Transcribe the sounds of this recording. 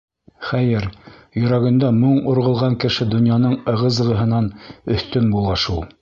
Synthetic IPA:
χæjɘɾjɵ̆ɾæɡɘ̆nd̪æmɤɴŏɾʁɤ̆lˠʁɑŋkɘ̆ʃɘd̪ŏnjɑnɤɴɤ̆ʁɤ̆zʁɤ̆ɦɤ̆nɑnɵ̆θt̪ɵnbulˠʁɑʃulˠ

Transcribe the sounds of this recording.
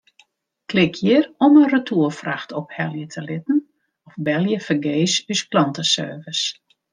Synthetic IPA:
klɪkʰjɪərɔmərətʰuːəlfraxtʰɔphɛlˠjətʰəlɪtn̩ | ɔfbɛlˠjəfərɡeːsysplɔntəsø̰ːvəs

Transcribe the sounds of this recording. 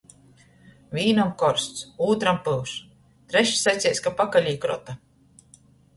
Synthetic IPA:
vʲiːnamkɔɾst̪suːt̪ɾampɨlˠʃ | t̪ɾɛʃsajt̪ʲeɛjsʲkapakalʲiːkɾɔ̰t̪a

